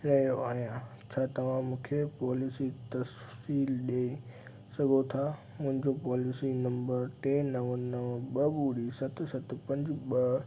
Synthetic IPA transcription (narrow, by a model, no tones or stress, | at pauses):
nɐjoaːɦijã | t͡ɕʰaːt̪ɐʋ̤ãmũːkʰepɔːlɪsit̪ɐs | siːlɗeːi | sɐɡʱot̪ʰa | mʊ̃ɦɪ̃ɲd͡ʑopɔːlɪsinɐ̃mbəɾʈẽːnɐʋənɐʋəɓɐbuːɽisɐt̪ʰʊsɐt̪ʊpɐ̃ɲd͡ʑʊɓɐ